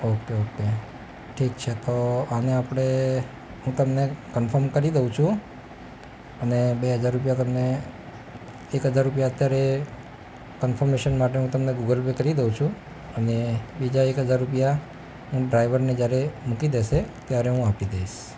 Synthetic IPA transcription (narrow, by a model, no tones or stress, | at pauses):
okeoke | ʈʰikt͡ʃʰet̪oaneapɽ̃e | ɦũt̪əmnekənfʰəɾmkəɾid̪eũt͡ʃʰũ | ənebeɦəd͡ʒaɾːupjat̪əmne | ekɦəd͡ʒaɾːupjaət̪jaɾe | kənfʰəɾmeʃənmaʈ̬eɦũt̪əmneɡuɡəlbekəɾid̪eũt͡ʃʰũ | ənebid͡ʒaekɦəd͡ʒaɾːupja | ɦũɖɾajʋəɾned͡ʒjaɾemukid̪eʃet̪jaɾeɦũapid̪eiʃ